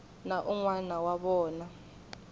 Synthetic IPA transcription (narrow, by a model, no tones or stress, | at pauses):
naʔuŋwanawaɓɔːna